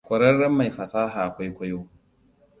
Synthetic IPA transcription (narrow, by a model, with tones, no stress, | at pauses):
kʷɔ˨ɾɐ˦rːɐ˦mːa˨jɸɐ˨saː˦ɦaː˨ʔa˨kʷa˦jkʷɐ˦joː˦